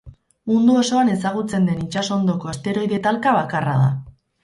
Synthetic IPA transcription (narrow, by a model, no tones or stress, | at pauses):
mund̪uoso̞ane̞saɣ̞ut͡se̞nd̪e̞nit͡ʃaso̞nd̪o̞ko̞est̪e̞ɾo̞jðe̞t̪alkaβakara̰ða̰